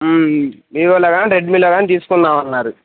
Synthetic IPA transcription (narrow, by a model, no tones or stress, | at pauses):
miːɾɐlaːɡaːniɾeɖmiloːɡaːnit̪iːsu̥kunːaːmɐnːaːɾu